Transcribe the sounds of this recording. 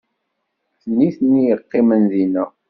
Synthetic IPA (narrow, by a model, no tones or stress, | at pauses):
θnːiθnːijəqːɪmənðinæ